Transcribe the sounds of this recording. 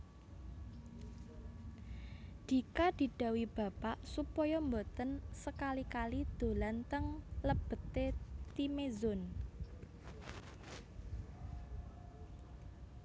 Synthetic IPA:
d̥i̤kad̪̥i̤ɖ̥ä̤wib̥ä̤paʔsupɔjɔmbot̪ənsəkalikalid̪̥o̤lant̪əŋləb̥ə̤t̪et̪imezʊn

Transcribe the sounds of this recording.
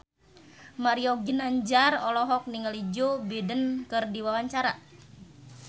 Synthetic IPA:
maɾioɡinaɲd͡ʒarɔlɔɦɔk̚niŋəlid͡ʒobidənkɨrdiwawaɲt͡ʃaɾa

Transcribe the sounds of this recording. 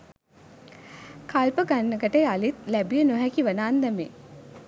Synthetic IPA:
kʰalpəɡanːəkəʈejalit̪læbijənoɦækiʋənaːnd̪æmḛ

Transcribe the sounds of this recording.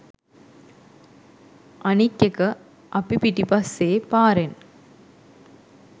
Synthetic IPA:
ɐnikːekɐ | ʔɐpːipiʈːipɐsːeːpaːɾen

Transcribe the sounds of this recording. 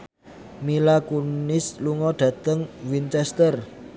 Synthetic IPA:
milakunɪsluŋɔɖ̥ä̤t̪əŋwint͡ʃɛst̪ər

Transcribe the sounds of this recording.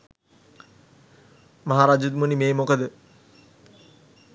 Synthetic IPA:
maɦaɾaːd͡ʒud̪munimeːmokəd̪ə

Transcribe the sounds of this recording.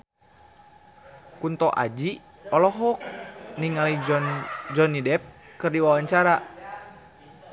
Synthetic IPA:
kunt̪ɔʔa̰d͡ʒi | ɔlɔɦɔk̚niŋalind͡ʒɔnidɛp̚ | kɨrdiwawaɲt͡ʃaɾa

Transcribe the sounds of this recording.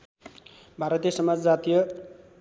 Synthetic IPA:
bʱaɾʌt̪ijʌsʌmad͡zd͡zat̪ijʌ

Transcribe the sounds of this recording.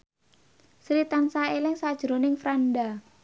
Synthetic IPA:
sɾit̪ansaelɪŋsad̥ʒ̥ɾonɪŋfɾanɖa

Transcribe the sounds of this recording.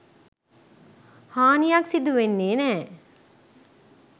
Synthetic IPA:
haːnijɐksid̪uʋenːeːnɛː

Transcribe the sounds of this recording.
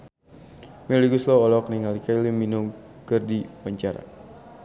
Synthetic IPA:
mɛliɡuslɔɔlɔk̚niŋalikajlimːinʊŋ | kɨrdiwaɲt͡ʃaɾa̰

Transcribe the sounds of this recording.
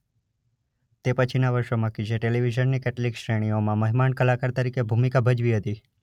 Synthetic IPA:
t̪epət͡ʃʰinaʋəɾʃomãkit͡ʃʰeʈeliʋid͡ʒənːikɛʈəlikʃɾeɽ̃iomãməɦmaɳkəlakaɾt̪əɾikebʱumikabʱəd͡ʒʋiɦət̪i

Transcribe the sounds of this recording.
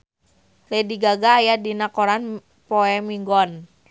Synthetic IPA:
lediɡaɡaːjadinakɔɾan | pɔɛmiŋɡɔn

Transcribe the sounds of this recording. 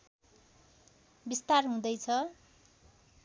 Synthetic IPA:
bist̪arɦũd̪ʌjt͡sʰʌ

